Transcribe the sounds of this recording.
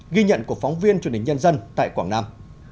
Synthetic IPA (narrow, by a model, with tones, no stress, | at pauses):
ɣi˧ɲə̰˧˨nku˧˩ək̚fɔ˨˦wŋ͡mvi˧ənt͡ɕwə˩n˨˩ŋɲə˧nzə˧nt̪a̰ː˧˨jkwaː˧˩ŋnaː˧m